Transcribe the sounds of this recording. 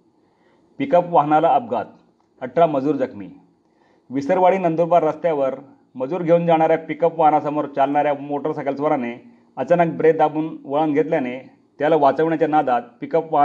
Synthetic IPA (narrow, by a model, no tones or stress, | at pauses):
pikəpʋaɦnalaəp̚ɡat̪̚ | əʈʰɾaməd͡zuːɾd͡zəkʰmḭː | ʋisəɾʋaɭiːnənd̪uɾbaɾːəst̪jaʋəɾ | məd͡zuːɾɡʱeuːnd͡zaɽ̃aɾjapikəpʋaɦnasəmoɾt͡ɕalɳ̃aɾjamoʈəɾsəkəlsʋəɾane | ət͡sanək̚bɾed̪abuːnʋəɭənɡʱet̪ljane | t̪jalaʋat͡səʋɳjat͡ɕjanad̪at̪̚pikəpʋa